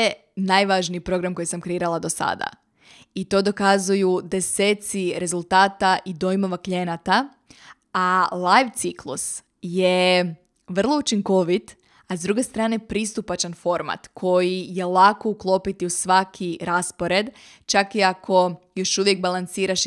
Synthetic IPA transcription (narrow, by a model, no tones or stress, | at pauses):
e | najʋaʒniːpɾo̞ɡɾamko̞jsamkɾeiːɾalˠad̪o̞sa̰d̪a̰ | it̪o̞ːd̪o̞kazujud̪e̞seːt̪siɾe̞zulˠt̪aːt̪aʔid̪o̞jmoʋaklʎʲenat̪a | alˠajʋt̪siklˠṵs | je | ʋr̩lˠo̞ut͡ʃiŋko̞ʋit̪ | azd̪ɾuɡe̞st̪ɾaːne̞pɾist̪upat͡ʃanfo̞ɾma̰t̪kʰo̞jije̞lako̞uklˠo̞pit̪iusʋakʰiɾaspoɾe̞d̪ | t͡ʃakiakʰo̞jo̞ʃuʋjeɡ̚balˠant̪siːɾaʃ